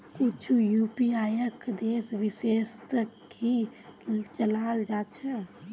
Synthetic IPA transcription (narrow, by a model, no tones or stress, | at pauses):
kut͡ʃʰujupiajəkd̪esʋisest̪əki | t͡ʃəlald͡ʒat͡ʃʰɛ